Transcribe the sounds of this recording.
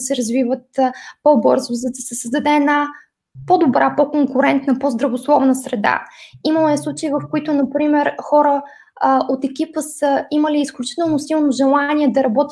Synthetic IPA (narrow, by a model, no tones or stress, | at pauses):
sɛɾɐzvivət̪pobɤɾzʊzɐd̪ɐsɛsəzd̪ɐd̪ɛɛd̪na | pod̪obɾapɔkoŋkʊɾɛnt̪nəpozd̪ɾɐvoslˠɔvnəsɾɛd̪a̰iməlˠɛslˠut͡ʃəivəfkoit̪ʊnɐpɾimɛɾxɔɾə | ʔot̪ɛkʲipəsəiməliːsklʲut͡ʃi̥t̪ɛlˠnosilˠnoʒɛlˠanʲiɛd̪ɐɾɐbɔt̪ʲ